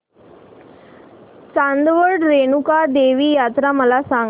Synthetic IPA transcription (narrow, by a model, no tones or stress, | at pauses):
t͡ʃand̪ʋoɖɾenukaːd̪eːʋijaːt̪ɾamɐlaːsaːŋ